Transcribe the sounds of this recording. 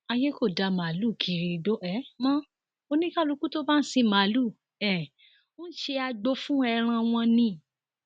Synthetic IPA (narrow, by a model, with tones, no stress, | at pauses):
a˧je˦ko˦˨da˧ma˨lu˦˨kʰi˨ɾi˨˧˨do˦ʔɛ˨˦mã˦ | o˧nĩ˦ka˦˨lu˧ku˦to˦ba˦n̩˦sĩ˧ma˨lu˦˨ | ɛ˨ | o˦n̩˦ʃe˧a˧ɡ͡bo˧˦fũ˦ɛ˧ɾ̃ã˧w̃ɔ̃˧nĩ˧